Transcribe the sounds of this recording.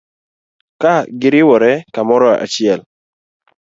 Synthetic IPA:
kaɡɪɾɪwɔɾɛkamɔɾɔa̰t͡ʃɪɛl

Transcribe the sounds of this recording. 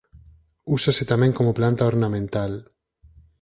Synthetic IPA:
usaset̪amẽŋkomoplant̪aoɾnamẽnt̪al

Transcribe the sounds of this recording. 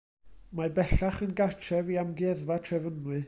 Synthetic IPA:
mabɛɬaχənɡart͡ʃʰɛviamɡɛðvatʰrɛvənwɨ

